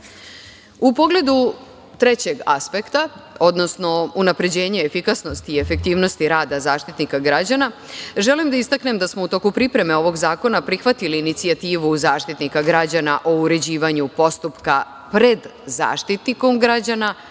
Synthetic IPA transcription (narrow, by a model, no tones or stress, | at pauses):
upo̞ɡle̞d̪u | t̪ɾe̞t͡ɕe̞ɡaspe̞kt̪ao̞d̪no̞sno̞unapɾe̞d͡ʑe̞ːɲeefikasno̞st̪ie̞fe̞k̚t̪iːʋno̞st̪iɾaːd̪azaːʃt̪it̪nikaɡɾad͡ʑanaʒe̞limd̪aist̪akne̞md̪asmo̞ut̪o̞kupɾipɾe̞me̞o̞ʋo̞ɡzaːko̞napɾixʋat̪iliːnit̪siat̪iːʋuzaːʃt̪it̪nikaɡɾad͡ʑanaʔo̞uɾe̞d͡ʑiːʋaɲupo̞st̪upka | pɾe̞d̪za̰ːʃt̪it̪niko̞mɡɾad͡ʑana